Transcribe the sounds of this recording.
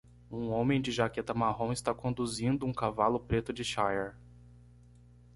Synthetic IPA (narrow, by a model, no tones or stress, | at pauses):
ũõmẽj̃d͡ʒɪʒaket̪ɐmaɦõw̃ɪst̪akõnd̪uzĩnd̪ʊũkavalʊpɾet̪ʊd͡ʒɪʃajɛɾ